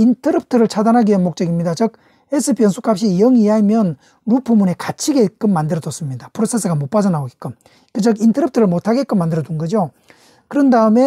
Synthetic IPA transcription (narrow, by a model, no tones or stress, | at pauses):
intʰʌɾɯp̚tʰɯɾɯɭt͡ɕʰadanɦaɡienmok̚t͡ɕ͈ʌɡimɲidat͡ɕʌk̚ | es͈ʰɯpʰijʌnsʰuk͈ap̚ɕ͈ijʌŋiamjʌn | ɾupʰumune̞kat͡ɕʰiɡe̞k͈ɯmːandɯɾʌdʌs͈ɯmɲidapʰɯɾosʰe̞s̬͈ɯɡamop͈ad͡ʑʌnaoɡek͈ɯm | kɯd͡ʑʌkintʰʌɾɯp̚tʰɯɾɯɭmotʰaɡek͈ɯmːandɯɾʌdɯnɡʌd͡ʑo | kɯɾʌndaɯme̞